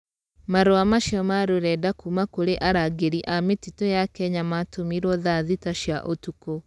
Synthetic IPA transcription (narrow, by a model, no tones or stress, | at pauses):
maɾoamaʃjɔmaɾoɾɛdakumakoɾeʔaɾaɡeɾiʔametitojakɛɲamatomiɾɔðaðitaʃjaʔotuko